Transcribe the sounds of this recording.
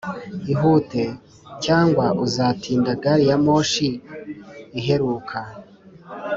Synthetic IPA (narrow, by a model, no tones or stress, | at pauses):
iɦute̞ | caːŋɡwaʔuzaːtʰiːndaɡaɾijamo̞ːʃiː | ɦe̞ɾuːkʰa